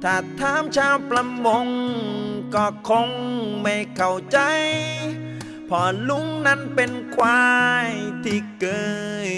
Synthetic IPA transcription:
t̪ʰaː˨˩t̪ʰːaː˧˥˨mt͡ɕʰaː˧˩wpɾa˧mːo˧ŋ | kɔː˧˩kʰːo˧ŋma˧˩jkʰa˨˧˩wt͡ɕa˧j | pʰɔː˨˧˩lu˧˥ŋna˦˥npe˧nkwaː˧jt̪ʰiː˧˩kɤː˧

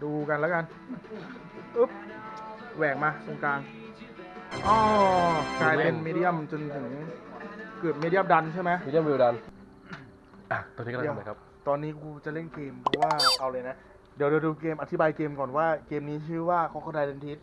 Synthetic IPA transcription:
duː˧ka˧nlɛ˦˥wka˧n | ʔɯ˦˥p̚ | wɛː˨˩k̚maː˧so˧˩ŋkaː˧ŋ | ʔɔː˧˩kaː˧jle˥˩nmiː˧di˦˥˩ə˥˧˩mt͡ɕo˧nt̪ʰɯ˩˦ŋ | kɤː˨˩p̚miː˧di˦˥ə˧˨mda˧nt͡ɕʰa˥˩jma˦˥ʔiː˧di˥ə˨mwi˧da˧n | ʔa˧˩ɔː˧niː˦˥˧a˨˩kʰa˦˥p̚ | t̪ɔː˧nːiː˦˥kʰuː˧t͡ɕa˨˩le˥˩nkeː˧mpʰɔ˦˥waː˥˩ʔa˧wlɤː˧na˦˥ | di˨˩˦wdiː˨˧˦duː˧keː˧mʔa˧t̪ʰi˦baː˧jkeː˧mkɔː˨˩nwaː˥˩keː˧mniː˦˥t͡ɕʰɯː˥˩waː˥˩kʰa˦˥wkʰa˥˩t͡ɕa˧jle˧nt̪ʰi˦˥t̪̚

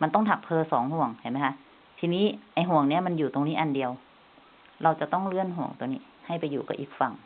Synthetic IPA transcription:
ma˧nt̪ɔ˥˩ŋt̪ʰa˧˩k̚pʰɤː˧sɔː˩˦ŋhu˧˩əŋt͡ɕʰa˧˩ma˦˥jkʰa˦˧˥ʔ | t̪ʰiː˧niː˦˥˨ʔa˧˩jɦu˧˨˩əŋni˦˥ɐma˧njuː˨˩t̪o˧ŋniː˦˥ʔa˧˨ndi˧əw | ɾa˧wt͡ɕa˨˩t̪ɔ˥˩ŋlɯ˥˩ənɦu˨˩əŋt̪ŋniː˦˥˩ | ha˥˩jpa˧jːuː˨˩ka̰˧˩ʔi˧˩k̚fa˧˩ŋ

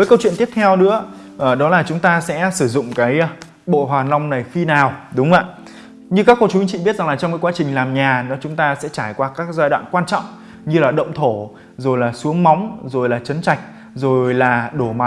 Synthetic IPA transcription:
vəː˨˦jkə˧wt͡ɕwi˧˨nt̪i˦˥əp̚t̪ʰɛ˧wnɨ̰˧˥ə | ʔəː˨˩ɗɔ˨˦laː˨˩t͡ɕʊ˨˦ŋ͡mt̪aː˧sɛ̰˧˥sɨ˧˩zʊ̰˧˨ŋ͡mkaː˨˦j | ɓo̰˧˨ɦwaː˨˩na˧wŋ͡mna˨˩jfi˧naː˨˩wɗʊ˨˦ŋ͡mʔaː˧˨ | ɲɨ˧kaː˦˥kːo˧t͡ɕu˨˦hi˧ŋt͡ɕḭ˧˨ɓi˦˥ət̚za˨˩ŋlaː˨˩t͡ɕɔ˧ŋ͡mkaː˨˦kwaː˨˦t͡ɕï˨˩ŋ̟laː˨˩mɲaː˨˩nɔ˨˦t͡ɕʊ˨˦ŋ͡mt̪aː˧sɛ̰˧˥t͡ɕaː˧˩jkwaː˧kaː˦˥k̚zaː˧jɗwa̰ː˧˨nkwaː˧nt͡ɕɔ̰˧˨wŋ͡m | ɲɨ˧laː˨˩ɗə̰˧˨wŋ͡mt̪ʰo˧˩ | zo˨˩jlaː˨˩su˨˦əŋma˨˦wŋ͡mzo˨˩jlaː˨˩t͡ɕə˨˦nt͡ɕa˨˩jk̟̚ | zo˨˩jlaː˨˩ɗo˧˩ma˨˦

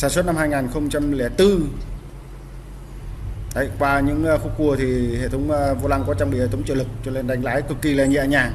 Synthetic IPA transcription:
saː˧˩nswə˦˥t̚na˧mhaː˧jŋaː˨˩nxə˧wŋ͡mt͡ɕa˧mlɛ˧˩t̪ɨ˧ | t̪a̰ː˧˩jkwaː˧ɲɨ̰˧˥ŋ˧xu˧ku˧˩ət̪ʰi˨˩hḛ˧˨t̪ʰə˨˦wŋ͡mvo˧laː˧ŋkɔ˨˦t͡ɕa˧ŋ͡mɓḭ˧˨˧t̪ʰə˨˦ŋ͡mt͡ɕə̰ː˧˩lɨ˨˩k̚t͡ɕu˧˩nle˧˩nɗa˨˦jŋ̟laː˨˦jkɨ˨˩kːi˧˩la̰ː˧˨ɲḭ˧˨ɲaː˨˩

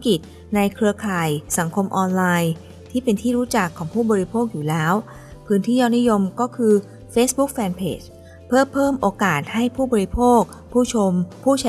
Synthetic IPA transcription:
ki˨˩t̪̚ | na˧jkʰɾɯ˧ɐkʰaː˨˩jsa˩˦ŋkʰo˧mʔɔː˧nlaː˧j | t̪ʰiː˥˩pe˧nt̪ʰiː˥˩ɾuː˦˥t͡ɕa˨˩kʰːɔː˩˦ŋpʰuː˥˩bɔː˧ɾi˧pʰoː˥˩k̚juː˨˩lɛː˦˥w | pʰɯː˦˥nt̪ʰiː˥˩jaː˦˥˩ni˦˥jo˧mkɔː˥˩kʰɯː˧ | feː˦˥sbu˦˥k̚fɛː˧npʰḛː˦˥˩t͡ɕ | pʰɯ˥˩ɐpʰɤː˥˩mʔoː˧kaː˨˩t̪̚ha˥˩jpʰuː˥˩bɔː˧ɾi˧˥pʰoː˥˩k̚ | pʰuː˥˩t͡ɕʰo˧mpʰuː˥˩t͡ɕʰa˧

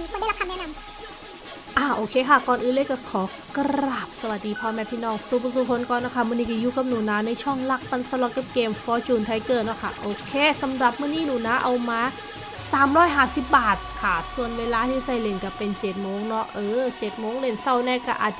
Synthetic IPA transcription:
kːda˥˩˨la˧˥kʰa˧nɛ˥˨na˧m | ʔaː˧˩ʔoː˧kʰeː˧kʰa˥˩kɔː˨˩nʔɯː˧˥˨leː˧˥˨jkɔ˧˩kʰɔː˨˦ | kɾɾaː˨˩p̚sa˧wa˨˩diː˧pʰɔː˧mɛː˧˥pʰt̪ʰiː˧˨nɔː˧˥˩ŋsuː˨˧˩pʰːsuː˧˩pʰo˧˦nkɔː˨nːɔ˧˥˩kʰa˧˥˩mɯ˧˩˨niː˧˩ka˧˩juː˧˥˩ka˧˩p̚nuː˨˩˦naː˧˥na˧˥˨jt͡ɕʰɔ˥˩ŋla˧˩k̚pa˧nsa˧lɔ˨˧˩ka˧˩pkeː˧mfɔː˧˥t͡ɕuː˨˩nt̪ʰa˧˥˩jkɤː˧˩t̪̚nɔ˧˥˩kʰa̰˥˩ʔoː˧kʰeː˧˥˩sa˨˦mɾa˨˩p̚mɯː˥˩˨niː˥˩nuː˨˩˦naː˧˥ʔa˧wmaː˧˥ | saː˨˦mɾɔː˥˩jɦaː˨˩si˨˩p̚baː˨˩t̪̚kʰa˥˩su˨˩ənweː˧laː˧˥t̪ʰiː˧˥˩sa˧˩˨jle˧˩ŋka˧˩pe˧nt͡ɕe˨˩t̪̚moː˧˥ŋnɔ˦˥ʔʔɤː˧˩t͡ɕe˨˩t̪̚moː˧˥˨ŋle˧˩nsa˧˩wnɛː˧˩ka˧˩ʔa̰ː˨˩t̪̚t͡ɕa˧

